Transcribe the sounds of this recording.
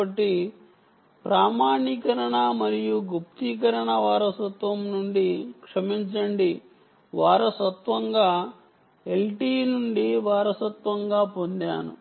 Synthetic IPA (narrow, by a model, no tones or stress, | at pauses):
ɐʈːi | pɾaːmaːnikɐɾɐɳɐmɐɾijuɡupt̪ik̬ɐɾɐɳɐʋaːɾɐsɐt̪ʋɐmnuɳɖikʂɐmiɲt͡ʃɐɳɖi | ʋaːɾɐsɐt̪ʋɐŋɡaː | e̞lʈiːnuɳɖiʋaːɾɐsɐt̪ʋɐŋɡaːpo̞nd̪a̰ːnṵ